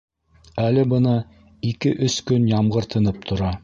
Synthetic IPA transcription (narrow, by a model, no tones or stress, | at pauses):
ælɘbɤ̆nɑ | ikɘʔɵskɵnjɑmʁɤ̆ɾt̪ɤ̆nɤp̚t̪ʰŏɾɑ